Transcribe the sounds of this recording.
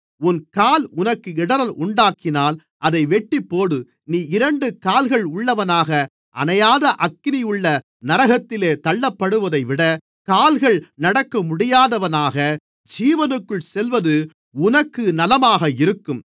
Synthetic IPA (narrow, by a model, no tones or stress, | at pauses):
ʊnkaːlʊnɐkːɯɪɽɐɾɐlʊɳɖaːkɪnaːl | ʔɐðɐɪʋɛʈːipːoːɽɯ | niːɪɾɐɳɖɯkaːlɣɐɭʊɭːɐʋɐnaːɣɐ | ʔɐ̰nɐjaːðɐʔɐkːɪnɪjɯɭːɐ | nɐɾɐɣɐt̪ːɪleːt̪ɐɭːɐpːɐɽɯʋɐðɐɪʋɪɽɐ | kaːlɣɐɭnɐɽɐkːɐmʊɽɪjaːðɐʋɐnaːɣɐ | d͡ʒiːʋɐnɯkːɯɭsɛlʋɐðɯ | ʊnɐkːɯnɐlɐmaːɣɐɪɾɯkːɯm